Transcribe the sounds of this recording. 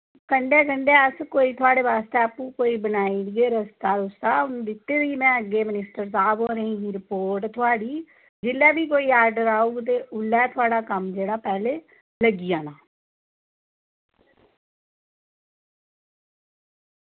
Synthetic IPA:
kəɳɖeːkəɳɖeːəskoːiːt̪ʰʊaːɽeːʋaːst̪eːəpũːkoːiːbənaːiːɡeːɾəst̪aːɾʊst̪aːʊñːd̪ɪt̪ːeːɾiːmɛ̃ːəɡeːmɪnɪsʈəɾsaːbɦõːɾəĩːɡiːɾɪpoːɾʈt̪ʰʊaːɽiː | d͡ʒɪlːɛːbiːkoːiːaːɾɖəɾaːuɡt̪eːʔʊlːɛːt̪ʰʊaːɽaːkəmd͡ʒeːɽaːpɛːleː | ləɡiːaːnaː

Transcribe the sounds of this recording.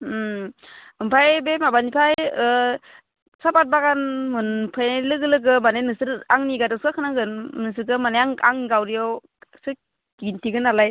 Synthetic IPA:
ɯmpʰajbemabanipʰajɯ | sapat̚baɡanmunpʰɯjnalɯɡɯlɯɡɯmanenɯsɯɾaŋniɡadaskakʰɯnaɡɯnmɯs̬ɯɾkɯmanajaŋa̰ŋɡawɾijɔw | sɯ | ɡintʰiɡɯnalaj

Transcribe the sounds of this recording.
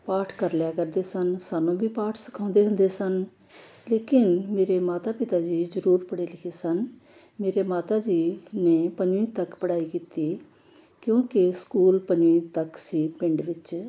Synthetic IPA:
paːʈʰkəɾljaːkəɾd̪eːsənsaːnũːbiːpaːʈʰsə̥kʰãːnd̪eːɦʊ̃nd̪eːsən | leːkɪnmeːɾeːmaːt̪aːpɪt̪aːd͡ʒiːzəɾuːɾpəɽeːlɪkʰeːsən | meːɾeːmaːt̪aːd͡ʒiːneːpəɲd͡ʒʋĩːt̪əkpəɽaːiːkiːt̪iː | kjõːkɪskuːlpəɲd͡ʒʋĩːt̪əksiːpɪ̃ɳɖʋɪt͡ʃ

